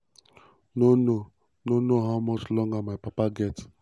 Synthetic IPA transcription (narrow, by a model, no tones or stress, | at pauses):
nono | nonoɦaʊmɔt͡ʃlɔ̃ŋɡamajpapaɡɛt